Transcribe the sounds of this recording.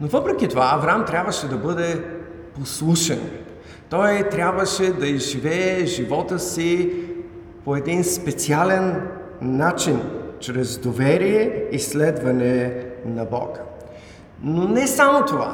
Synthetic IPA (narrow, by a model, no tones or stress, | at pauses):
novɤpɾɛkʲit̪ovaːvɾamt̪ɾʲabvəʃɛd̪ɐbɤd̪ɛ | poslˠuʃɛn | t̪ɔjt̪ɾʲabvəʃɛd̪ɐizʒivɛːʒivɔt̪əsi | poɛd̪inspɛt̪sialɛnː | at͡ʃint͡ʃɾɛzd̪ovɛɾijɛislɛd̪vɐnɛnɐbɔ̰k | nonɛsamot̪ova̰